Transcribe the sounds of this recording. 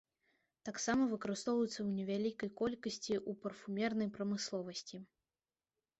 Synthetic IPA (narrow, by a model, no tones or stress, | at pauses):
t̪aksamɐvɨkɐɾɨst̪ɔvɐjut̪sːɐwnʲɛvʲalʲikɐjkɔlʲkɐsʲt͡sʲiʔupɐrfumʲɛrnɐjpɾɐmɨslˠɔvɐsʲt͡sʲi